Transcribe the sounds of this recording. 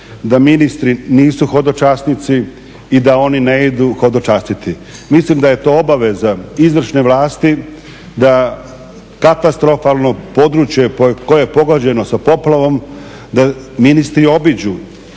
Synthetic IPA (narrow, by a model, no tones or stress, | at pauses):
d̪aminist̪ɾiniːsuxo̞d̪o̞t͡ʃasnit̪si | id̪ao̞nineid̪uxo̞d̪ot͡ʃast̪it̪i | mislimd̪aje̞t̪o̞ːobaʋe̞zaizʋr̩ʃneʋlaːst̪i | d̪a | kat̪ast̪ɾo̞falˠno̞po̞ːd̪ɾut͡ʃjepokojejepo̞ɡod͡ʑe̞no̞sapo̞plaʋo̞m | d̪a | minist̪ɾio̞bid͡ʑu